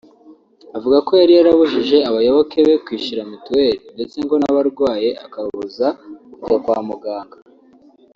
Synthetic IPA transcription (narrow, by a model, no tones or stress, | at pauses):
avuɡako̞jaɾijaɾaβuʒiʒe̞aβajoβo̞kʰe̞βe̞kwiːʃiɾamutweɾinde̞t͡se̞ŋɡo̞naβaɾɡwaːje̞a̰kaββuzakuɡakwaːmuɡaːŋɡa